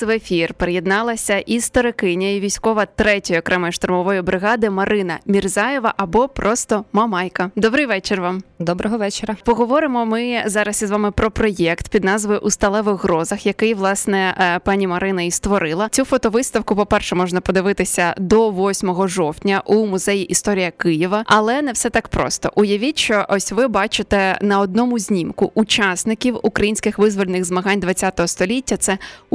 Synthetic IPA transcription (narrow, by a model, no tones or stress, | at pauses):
ʋefʲirpeɾejed̪nɑlˠɐsʲɐʔizt̪ɔɾɪkɪnʲɐjiʋʲijsʲkɔʋɐt̪ɾɛtʲɔjɔkɾʔɛmɐjʊʃt̪ʊrmɔʋɔjʊbɾɪɣɑd̪ɪmɐɾʔɪnɐmʲirzɑjeʋɐʔɐbɔpɾʔɔst̪ɔmɐmɑjkɐd̪ɔbɾɪjʋɛt͡ʃɪrʋɑmd̪ɔbɾɔɦɔʋɛt͡ʃeɾɐpɔɦɔʋɔɾɪmɔmɪzɑɾɐsizʋɑmɪpɾɔpɾɔjɛkt̪pʲid̪nɑzʋɔʊʔust̪ɐlˠɛʋɪɣːɾɔzɐxjɐkɪjʋlˠɑsnɛpɑnʲimɐɾɪnɐist̪ʋɔɾɪlˠɐt͡sʲufɔt̪ɔʋɪst̪ɐwkʊpɔpɛrʃɛmɔʒnɐpɔd̪ɪʋɪt̪ɪsʲɐd̪ɔʋɔsʲmɔɦɔʒɔwtʲnʲɐʔumʊzɛjiʔist̪ɔɾʲijɐkɪjiʋɐʔɐlˠɛnɛwsɛt̪ɑkpɾɔ̰st̪ɔ̰ʔʊjɐʋʲit͡ʃɔʔɔsʲʋɪbɑt͡ʃɪt̪ɛnɐɔd̪̚nɔmʊzʲnʲimkʊʔut͡ʃɑsnɪkʲiwukɾɐjinʲsʲkɪxʋɪzʋɔlʲenɪɣzmɐɦanʲd̪ʋɐt͡sʲːat̪ɔɦɔst̪ɔlʲitʲːɐt̪sɛ